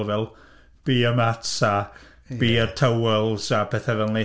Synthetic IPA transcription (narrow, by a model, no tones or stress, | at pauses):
lˠvɛlˠ | b̥iːəmatsa | b̥iːərtʰəwɛlˠzapʰɛθɛvɛlˠni